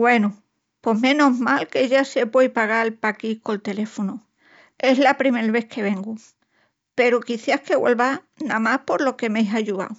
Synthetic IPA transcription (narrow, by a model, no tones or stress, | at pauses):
ɡwe̞nu | po̞mẽ̞no̞ɦmalke̞ʝase̞pwejpaɣalpakiko̞lt̪e̞le̞fonu | e̞ɦlapɾime̞ɾβe̞hkʰe̞βe̞ŋɡu | pe̞ɾukiθjahke̞ɣwḛlβa | namahpo̞ɾlo̞ke̞mejɦaʎua̰w